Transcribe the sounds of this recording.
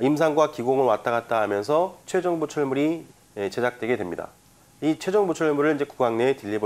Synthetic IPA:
ims̬ʰaŋɡwakiɡoŋɯɭwat͈aɡat̚t͈aɦamjʌnsʰʌt͡ɕʰwe̞d͡ʑʌŋbut͡ɕʰuɭmuɾi | et͡ɕe̞d͡ʑak̚t͈we̞ɡe̞dwe̞mɲida̰ | it͡ɕʰwe̞d͡ʑʌŋbut͡ɕʰuɭmuɾɯɭind͡ʑe̞ku̥ɡwaŋne̞tɯʎːibo

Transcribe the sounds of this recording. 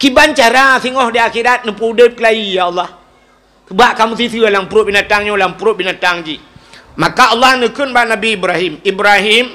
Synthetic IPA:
kibant͡ʃaɾasiŋɔhdiakidat̪̚nəpudəp̚kəlaijaɑlːah | kəbaʔkamusisialaŋpuɾʊʔ̚binat̪aŋɲolaŋpuɾoʔ̚binat̪aŋd͡ʒimakaʔɔlːahnəkənbaʔnabiːbɾahimibɾaɦim

